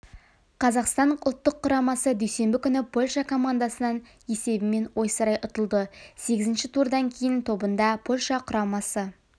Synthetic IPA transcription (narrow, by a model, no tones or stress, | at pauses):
qʰɑzɑqst̪ɑɴʊlˠt̪ːəqʰːʊɾɑmɑsəd̪ɵjse̞mbɪkʲʰʏnɪpʰo̞lʲʃɑkʰo̞mand̪asənɑn | je̞se̞bɪme̞nwo̞jsəɾɑjʔʊt̪əlˠd̪əse̞ɡʲɪzɪnʃɪt̪ʰuɾd̪ɑŋkʲʰe̞jɪnt̪ʰo̞bənd̪ɑpʰo̞lʲʃɑqʰʊɾɑmɑsə